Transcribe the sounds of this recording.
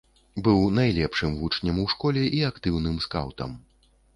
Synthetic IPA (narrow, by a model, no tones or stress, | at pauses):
bɨwnajlʲɛpʂɨmvut͡ʂnʲɐmuwʂkɔlʲɛʔiakt̪ɨwnɨmska̰wt̪ɐ̰m